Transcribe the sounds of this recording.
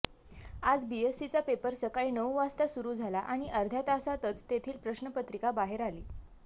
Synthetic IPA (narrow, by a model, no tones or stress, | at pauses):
ad͡zbiesit͡sapepəɾsəkaɭinəwʋast̪asuɾuːd͡zʱalaʔaɽ̃iʔəɾd̪ʱjat̪asat̪ət͡st̪et̪ʰiːlpɾəɕnəpət̪ɾikabaɦeɾaliː